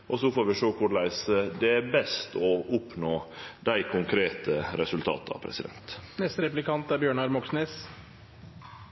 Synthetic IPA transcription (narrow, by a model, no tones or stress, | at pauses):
ʔɔsɔfoːɾʋɪʂoːkʰʊɾlæɪsd̪ɛæɾbɛst̪ɔʊpnoːd̪æɪkʰʊŋkʰɾeːt̪əɾɛsʉlt̪ʰɑ̰ːt̪ɑ̰pʰɾɛ̰sɪd̪ɛ̰nt̪nɛst̪əɾɛplɪkɑnt̪æɾbjøːɳɑɾmɔksneːs